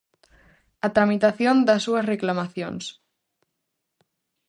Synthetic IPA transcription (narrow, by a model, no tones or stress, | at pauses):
at̪ɾamit̪aθjond̪asːuɐsreklamaθjo̰ns